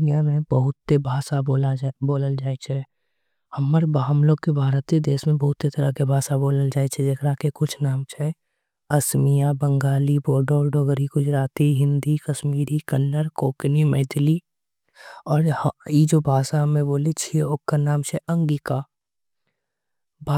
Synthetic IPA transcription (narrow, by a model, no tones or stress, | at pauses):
nijamẽbəɦʊt̪ːebʱaːsaolaboːləld͡ʒaːet͡ʃʰɛ | həmːəɾbɦəmloːɡ̚kebʱaːɾət̪ed̪eːsmẽbɐɦʊt̪ːet̪əɾakebʱaːsaboːləld͡ʒaːet͡ʃʰɛd͡ʒekɾakekʊt͡ʃʰnaːmt͡ʃʰɛ | ɐsmijabə̃ŋɡaːliboːɾɖoːɾɖoːɡəɾiɡʊd͡ʒɾaːt̪iɦɪ̃nd̪ikəʃmiːɾikənːəɾkoːknimɛːd̪ʰli | ɔːɾjid͡ʒobʱaːsaɦəmẽboːlit͡ʃʰieoːkːanaːmt͡ʃʰɛʔə̃ŋɡika | bʱa